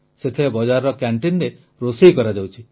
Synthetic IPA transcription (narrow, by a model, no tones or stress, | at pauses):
set̪ʰebɔd͡ʒaɾɔɾɔkaɳʈinɾe | ɾosikɔɾad͡ʒawt͡ʃʰi